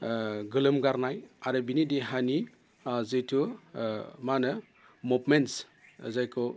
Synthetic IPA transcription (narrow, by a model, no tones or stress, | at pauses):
ɡɯlɯmɡaɾnajaɾɯbinideɦani | zɯjtʰu | manɯ | mupmens | ə̰zajkʰɔ